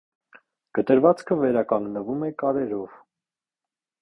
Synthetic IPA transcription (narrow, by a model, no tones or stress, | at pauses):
ɡ̥ət̪əɾvɑt͡skʰəvɛɾɑkɑŋɡnəvumɛkɑɾɛɾɔv